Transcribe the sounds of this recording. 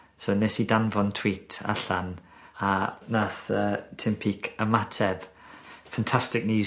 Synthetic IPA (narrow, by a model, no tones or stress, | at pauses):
sonɛsidanvɔntʰw̥iːtʰa̰ɬan | anaθəːtʰɪmpʰikʰəmatʰɛv̥ | fantʰastɪk̚njuː